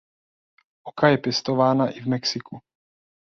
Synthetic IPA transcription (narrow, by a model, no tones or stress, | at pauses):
ʔokajɛpjɛst̪ovaːnaʔɪvmɛksɪku